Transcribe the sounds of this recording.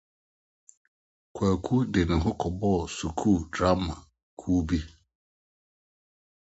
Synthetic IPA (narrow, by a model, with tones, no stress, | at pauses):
kʰwa˨kʰu˦dɪ˨nɪ̃˨ɦʊ˦kʰɔ˨bɔ˦˨su˨kʰuː˦˨dɾa˦mã˨ | kʰuː˦bi˦